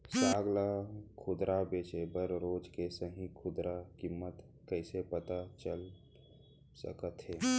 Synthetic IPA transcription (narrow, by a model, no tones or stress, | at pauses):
saːɡlakʰʊd̪ɾʔabeːt͡ʃebəɾɾoːd͡ʒkesəɦĩkʰʊd̪ɾakɪmːət̪ | kəɪsepət̪at͡ʃəl | sə̰kət̪ɦeː